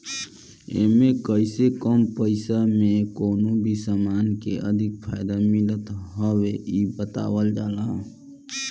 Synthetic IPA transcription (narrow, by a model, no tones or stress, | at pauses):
ḛːmẽkəɪsekəmpəɪsamẽkoːnubʱisamaːnkḛʔə̰d̪ʱɪk̚pʰaːjd̪amɪlət̪ɦəweibət̪a̰ːwəld͡ʒaːlaɦõ